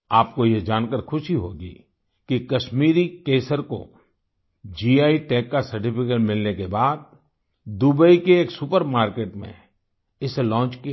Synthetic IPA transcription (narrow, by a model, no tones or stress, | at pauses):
aːp̚kojed͡ʒaːnkəɾxʰʊʃiɦoːɡḭː | kikɐʃmiːɾikeːsəɾko̰ | d͡ʒiːaːiʈɛːkːasɐɾʈipʰɪkeʈmɪlnekebaːd̪̚ | d̪ubəikeːksʊpəɾmaːɾkeːʈmḛ̃ | ɪselɔ̃ːt͡ʃkia